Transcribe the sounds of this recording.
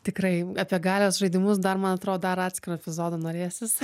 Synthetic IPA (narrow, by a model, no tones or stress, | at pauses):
t̪ʲɪkrɐɪɐpʲiɛɡɑːlʲoːsʒɐɪd̪ʲɪmʊsd̪ɐrmɐnɐt̪ɾoːd̪ɐɾɑːt̪ʲsʲkʲɪɾoːɛpʲɪzoːd̪ɐnoːɾʲeːjosʲjɪsɐ